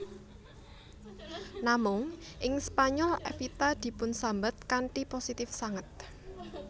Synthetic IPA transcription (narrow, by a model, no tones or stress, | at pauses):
namʊŋʔɪŋspaɲɔlʔɛ̰fit̪ad̪̥i̤pʊnsambət̪̚kaɳʈiposit̪ɪfsaŋət̪̚